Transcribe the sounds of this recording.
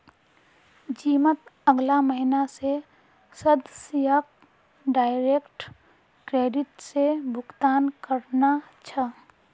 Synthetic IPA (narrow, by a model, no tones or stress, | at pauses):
d͡ʒiːmət̪əɡlaməɦinase | səd̪sijaːk | ɖaːɪɾeːkʈ | kɾeːɖɪʈsebʱʊkt̪aːnkəɾnat͡ʃʰa